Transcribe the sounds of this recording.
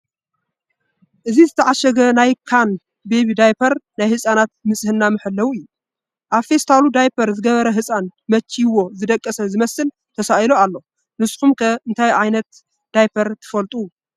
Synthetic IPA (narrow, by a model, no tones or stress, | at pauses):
ʔɨzizɨt̪ʰɐʕaʃɐɡɐnajkʰan | be̞βid̪ajpʰɐɾnajhɨsʼanat̪̚mɨsʼhɨnːamɨħɨlːɐwuɨjːu | ʔaβfe̞st̪ʰalud̪ajpʰɐɾzɨɡɐβɐɾɐɦɨsʼanmɐt͡ʃʰːiwo̞zɨd̪ɐkʼːɐsɐzɨmɐsɨl | t̪ʰɐsaʔjloalːo̞ | nɨsʼkumkʰɐɨnt̪ʰajʕajnɐt̪ | d̪̥ajpʰɐɾt̪ʰɨ̥fɐlt̪ʼu